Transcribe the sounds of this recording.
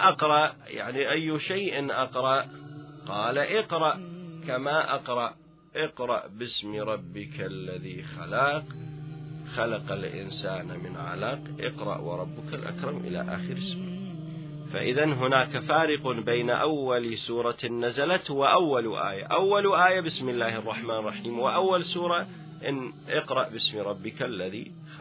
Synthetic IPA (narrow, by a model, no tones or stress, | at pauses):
ʔɑqɾˤɑʔja̰ʕniʔajːʃaːʔɪnʔɑqɾˤɑʔqɑːlaʔɪqɾˤɑʔkamaʔɑqɾˤɑʔ | ʔɪqɾˤɑ̰ʔbɪsmiɾˤɑbːɪklːaðixalɑq | xalaqalʔɪ̰nsaːnmɪnʕa̰laːqʔɪ̰qɾˤɑ̰ʔwɑ̰ɾˤɑbːʊkalʔa̰kɾˤɑmʔɪ̰la̰ʔa̰ːxɪɾɪsmɪ | fa̰ʔɪðanɦʊnaːkafaːɾɪqʊbejnaʔawːalsuːɾˤɑnːazalat̪wɪʔawːalʔa̰ːja̰ʔawːalʔaːjabɪsmɪlːaːhɑrˤːɑħmaːnrˤːɑħiːmwɪʔawːalsuːɾˤɑ | ʔɪnʔɪqɾˤɑʔbɪsmɾˤɑbːɪkalːaðḭ | x